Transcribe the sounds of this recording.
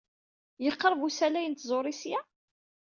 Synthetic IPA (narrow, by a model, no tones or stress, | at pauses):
jəqːɾˤəvusælæjənt̪zˤoɾˤisjæ